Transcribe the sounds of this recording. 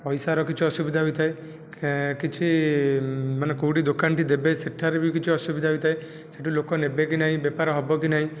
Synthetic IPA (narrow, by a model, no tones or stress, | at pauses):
pɔjsaɾɔkit͡ʃʰuɔsubid̪ʱaɦojt̪ʰae | kit͡ʃʰi | manekouʈid̪okanʈid̪ebesiʈʰːaɾebikit͡ʃʰiɔsubid̪ʱaɦojt̪ʰae | seʈilokɔnebek̬inaɦĩbjɛpaɾɔɦɔbɔkinaɦĩ